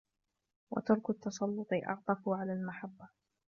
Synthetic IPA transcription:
wɑ̰t̪ɑɾˤkʊt̪ːɑsˤɑlːʊt̪ˤɨʔɑ̰ʕt̪ˤɑfʊʕalaːlmaħabːa

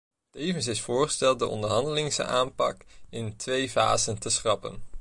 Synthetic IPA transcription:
tejvəns̬ɪsfʊːɹχəstɛlˠt̚dəʔɔ̰ndəɹɦɑndəlɪŋsa̰ːmpɑkɪntʰʋejva̰ːzəntəsχrɑpə̰n

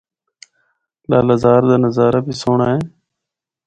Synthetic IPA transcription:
la̰ːləzaːɾd̪aːnəzaːɾaːbʱiːsoːɳaːɦeː

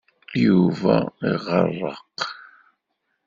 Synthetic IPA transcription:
jiuvaeʁɑrɑq

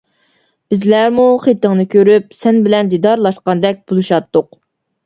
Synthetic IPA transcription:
b̥ɪzlæɾmuχet̪ːɪŋnɨkʲʰøɾypsɛnbɪlɛnd̪id̪ɑɾlˠɑʃqɑnd̪ɛk̚ʲb̥ulˠuʃɑt̪ːʊq

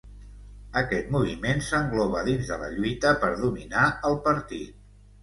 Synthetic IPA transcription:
əkɛt̪̚muβ̞imensəŋɡlɔβ̞əðinzðələ̰ʎuit̪əpəɾðuminaəlˠpəɾt̪it̪̚

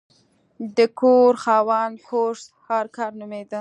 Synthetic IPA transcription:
d̪əkoɾxɑwɑnhoʂt̪hɑɾkɑɾnʊmed̪ə

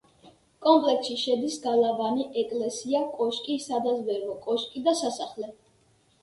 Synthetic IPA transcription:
kʼɔmpʼlɛksʃiʃɛd̪isɡalavaniʔɛkʼlɛsiakʼɔʃkʼisad̪azvɛvɔkʼɔʃkʼid̪asasaχlɛ

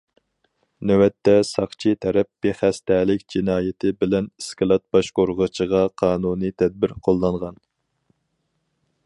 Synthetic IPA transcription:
nøwɛt̪ːɛsɑχt͡ʃʰit̪ʰɛɾɛp̚b̥eχæst̪ɛːlɪkʲd͡ʒinɑːjɪt̪ʰɪbɪlɛniskɑlˠɑt̪̚b̥ɑʃqoɾʁət͡ʃʰəʁɑqʰɑːnuːnit̪ʰɛd̪̚bɪɾqʰolˠːɑɴʁɑn

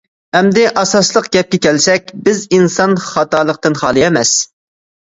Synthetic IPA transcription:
hɛmd̪ɪʔɑsɑslˠəqɡʲɛp̚kʲɛkʲʰɛlsɛk̚ʲbɪzinsɑnχɑt̪ɑːlˠəq̚t̪ɨnχɑːlˠɨjɛmɛs

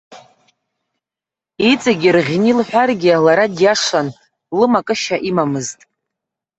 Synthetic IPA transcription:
it͡sʼaɡʲirʁʲnilħʷᶣarɡʲialaɾadjaʂan | lɨmakʼɨʃaʔimamɨztʼ

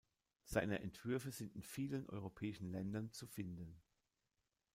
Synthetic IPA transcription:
z̥aɪnəʔɛntv̥ʏɐfəzɪntɪnfiːlənʔɔ̰ʏʁopʰɛːɪʃn̩lɛndɐnt͡sufɪndən

